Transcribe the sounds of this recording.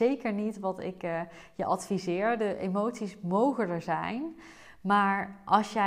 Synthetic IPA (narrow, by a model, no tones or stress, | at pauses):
ejkəɹnitʋɑtɪ̰k | jəʔɑtfizɪːɹdəʔejmowtsismowχələkzɛjn | maːɹʔɑlˠsjɛ